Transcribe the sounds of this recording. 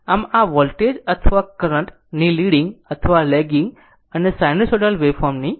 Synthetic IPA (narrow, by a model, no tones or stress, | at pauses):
amaʋɔlʈed͡ʒət̪ʰəʋakəɾə̃ɳʈ | niliɽĩŋɡət̪ʰəʋalɛɡĩŋɡ | ənesajnisoʈəlʋefʰɔɾmni